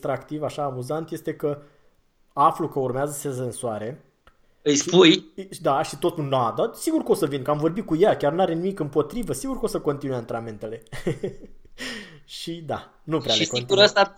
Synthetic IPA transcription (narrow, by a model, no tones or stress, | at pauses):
t̪ɾakt̪ivaʃaːmuzant̪je̞st̪e̞kə | aflukəurmeazəsezəɨnsuaɾe̞ | ɨjspujd̪aʃit̪o̞t̪unad̪asiɡurkəo̞səvinkəamvo̞rbit̪̚kujakʲarnaɾe̞nimikɨmpo̞t̪ɾivəsiɡurkəo̞səko̞nt̪inujant̪ɾament̪e̞le̞ | ʃid̪a̰ | nupɾealeiskiuɾəst̪a